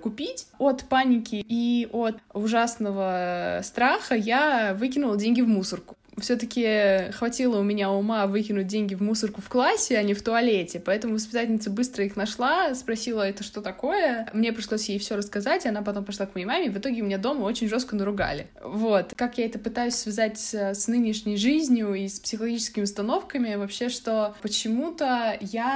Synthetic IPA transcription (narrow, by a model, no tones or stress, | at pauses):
kʊpʲitʲot̪panʲɪkʲɪiʔot̪ʊʐasnəvəst̪ɾaxəjavɨkʲɪnʊlˠədʲenʲɡʲɪvmusərkʊ̥ | fsʲɵt̪əkʲɪxvɐtʲilˠəʊmʲɪnʲaʊmavɨkʲɪnʊt̚ʲdʲenʲɡʲɪvmusərkʊfklˠasʲːɪɐnʲɪft̪ʊɐlʲetʲɪpɐɛt̪əmʊvəspʲɪt̪atʲlʲnʲɪt̪səbɨst̪ɾəixnɐʂlˠaspɾɐsʲilˠəɛt̪əʂt̪o̞t̪ɐko̞jəmnʲe̞p̬ɾʲɪʂlˠosʲjejfsʲoɾəskɐzatʲɪɐn̪apɐt̪o̞mpɾʲɪʂlˠakməjejmamʲɪvɨt̪o̞ɡʲɪʊmʲɪnʲad̪o̞məo̞t͡ɕɪnʲʐo̞st̪kənəɾʊɡa̰lʲɪ̰ | vo̞t̪kakjaɛt̪əpɨt̪ajʉsʲsvʲɪzatʲsəsnɨnʲɪʂnʲɪjʐɨzʲnʲjʊispsʲɪxəlˠɐɡʲit͡ɕɪskʲɪmʲɪʊst̪ɐno̞fkəmʲɪvɐpɕːe̞ʂt̪o̞pət͡ɕɪmut̪əja